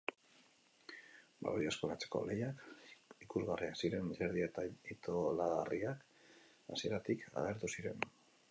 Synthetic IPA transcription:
ba̰βojaskoɾat͡se̞̥ko̞̰le̞jakikuzɣariaksiɾe̞nseɾðiat̪ait̪o̞laɣariak | a̰sie̞ɾat̪ikʰa̰ɣ̞e̞ɾt̪usiɾe̞̰n

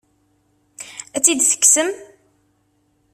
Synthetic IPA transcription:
æt͡sːid̪θə̥ksəm

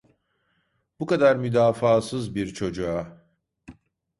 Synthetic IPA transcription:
b̥ukad̪aɾmyd̪aːfaːsɯzbiɾt͡ʃʰo̞d͡ʒua

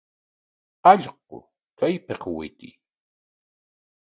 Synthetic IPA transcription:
ɑʎq̚o̰ | kajpeqwɪt̪i

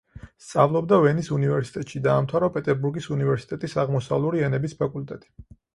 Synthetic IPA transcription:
st̪sʼavlˠɔbd̪avɛnisunivɛɾsi̥t̪ʼɛt̪ʼʃid̪aːmt̪ʰaɾɔpʼɛt̪ʼɛɾbuɾɡisunivɛɾsi̥t̪ʼɛt̪ʼisaʁmɔsavlˠuɾiɛnɛbispʰakʼult̪ʼɛt̪ʼi̥

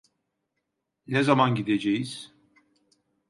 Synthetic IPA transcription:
nɛzamanɟid̪ed͡ʒejiz̥

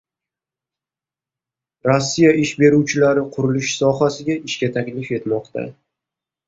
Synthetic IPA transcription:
ɾosːijaɪʃbe̞ɾuwt͡ʃʰɪlaɾɪqʰʊɾʊlɪʃsɒɦasɪɡʲaɪʃkʲat̪ʰakʲlɪfe̞t̪mɒqt̪ʰa̰

